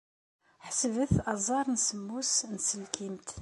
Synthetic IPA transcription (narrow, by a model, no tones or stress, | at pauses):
ħsvəθɑzˤɑɾˤnsəmːusnsəlkʰimt̪